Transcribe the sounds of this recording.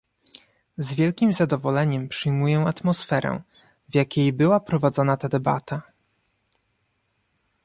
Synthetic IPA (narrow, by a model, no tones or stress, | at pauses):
zvʲjɛlkʲimzad̪ɔvɔlɛɲɛmpʂɘjmujɛat̪mɔsfɛɾɛ̰̃ | vjakʲejbɘwapɾɔvad̪zɔnat̪ad̪ɛba̰t̪ʰa